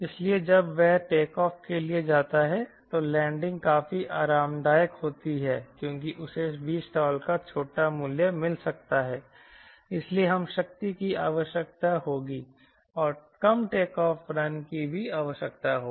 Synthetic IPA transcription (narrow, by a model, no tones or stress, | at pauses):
ɪslied͡ʒɐbʋɛɦʈeːkɔːfkelied͡ʒaːt̪aɦɛt̪olɛ̃ːɳɖɪ̃ŋɡ̚kaːfiʔaːɾaːmd̪aːjəkhoːt̪iɦɛːkjõːk̬iʔʊsebʱiːsʈaːlkat͡ʃʰoːʈamʊljəmɪlsɐk̚t̪aɦɛː | ɪslieɦɐmʃɐk̚t̪ikiaːʋəʃjək̚t̪aɦoːɡiː | ɔːɾkɐmʈeːkɔːfɾɐnkibʱiaːʋəʃjəkt̪aɦoːi